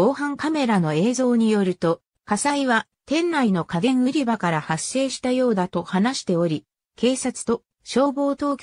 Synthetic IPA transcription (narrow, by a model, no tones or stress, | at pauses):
oːhãŋkame̞ɾano̞e̞ːzo̞ːɲ̟ijo̞ɾɯ̟t̪o̞ | kasaiβa | t̪ẽ̞nɾaino̞kaɡẽ̞ɰ̃ɯ̟ɾʲibakaɾahasːe̞ːɕi̥t̪ajo̞ːd̪at̪o̞hanaɕi̥t̪e̞o̞ɾʲi | ke̞ːsat͡sɨ̥t̪o̞ | ɕo̞ːbo̞ːt̪o̞ːkʲ